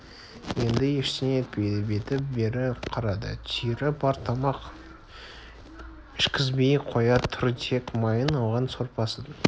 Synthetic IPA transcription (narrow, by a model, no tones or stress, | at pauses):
je̞nd̪ɪjeʃsɪnet̪̚bejd̪ɪbet̪ɪp̚be̞ɾɪqʰɑɾɑd̪ə̰t̪ʰijɾɪbɑɾt̪ʰɑmɑq | ɪʃkʲɪzbe̞jqʰo̞jɑt̪ʰʊɾt̪ʰe̞kmɑjənɑwʁɑnso̞ɾpɑsəd̪